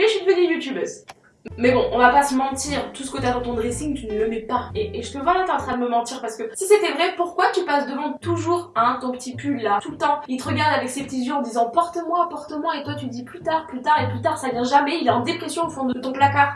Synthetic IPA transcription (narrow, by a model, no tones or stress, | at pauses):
eʃid̪əvənyjut̪ybɛs | mɛbɔ̃ʔɔ̃vapasəmɑ̃t̪iːʁt̪u̥sə̥kət̪yad̪ɑ̃t̪ɔ̃d̪ʁesiŋt̪ynələmɛpaeːʒət̪əvwãʁlãt̪ɛ̃sχad̪əməmɑ̃t̪iʁpaʁsə̥kəsiset̪ɛvʁɛpuʁkwat̪ypasd̪əvɑ̃t̪uʒuʁãt̪ɔ̃pə̥t̪ipylːat̪ulət̪ɑ̃ilt̪əʁəɡaʁd̪avɛksepə̥t̪izjøɑ̃d̪izɑ̃pɔʁt̪əmwapɔʁt̪əmwaet̪wat̪yd̪iplyt̪aʁplyt̪aʁeplyt̪aʁsavjɛ̃ʒamɛilaɑ̃d̪epχɛsjɔ̃ofɔ̃d̪əət̪ɔ̃plakaʁ